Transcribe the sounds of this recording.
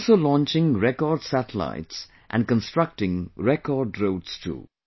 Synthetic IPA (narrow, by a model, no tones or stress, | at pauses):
lsoːlɔ̃nt͡ʃɪ̃ŋɾɛkɔɾɖsæʈəla̰ɪʈs | ʔæ̰̃nɖkə̃nsʈɾʌk̚ʈɪ̃ŋɾɛkɔɾɖɾoːʈstʰṵː